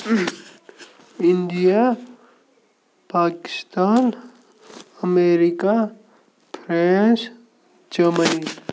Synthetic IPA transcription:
ind̪ija | paːkɪ̥st̪aːn | əmeɾika | pʰɾens | d͡ʒəməni

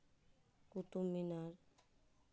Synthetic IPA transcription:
kut̪umːinaɾ

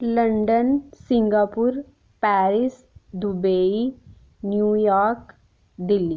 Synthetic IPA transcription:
lɐ̃ɳɖənsɪ̃ŋɡaːpuɾ | pɛːɾis | d̪ubei | njuːjaːɾk | d̪ɪlːi

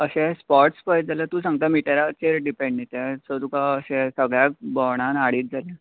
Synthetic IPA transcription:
əɕɛ̃spɔɾʈspəjt̪̚d͡zalət̪ũsãŋɡ̚t̪amiʈaɾat͡ɕeɾɖipẽɳɖnet̪ɛsət̪ukaəɕɛ̃səɡɭjak̚bɔwɳ̃ãnaɽiːt̪̚d͡zʱala

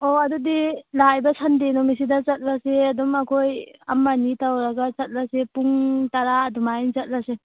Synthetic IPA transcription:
oɐdudilajbɐsʰɐndenɔmis̬idɐt͡ʃɐt̚laseɐdumɐkʰojɐ̰mːanitawɾɐɡat͡ʃɐt̚lasepuŋtɐɾaːdumajnt͡ʃɐt̚lase

